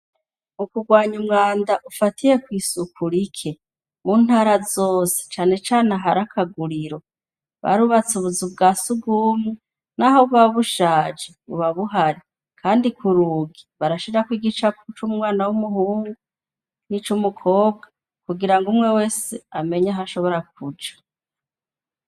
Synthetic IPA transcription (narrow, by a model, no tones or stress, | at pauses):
mukuɡwaːɲumŋaːndaʔufatʰije̞kwiːsukʰuɾikʰe | muːn̥haːɾazoːse̥t͡ʃaːne̞t͡ʃaːnaɦaɾakʰaɡuɾiɾo̞ | βa̰ɾuβat͡suβuzub̚ɡaːsuɡumŋe | nahoβaβuʃaːd͡ʒeβṵβaβuɦaɾi | kʰaːndikʰuɾuːɡiβaɾaʃiɾakwiːɡit͡ʃakut͡ʃumŋwaːnawumuhuːŋɡu | nit͡ʃumukʰo̞ːb̚ɡa | kuɡiɾaŋɡumŋe̞we̞ːseame̞ɲaɦaʃo̞βo̞ɾak̚ud͡ʒḁ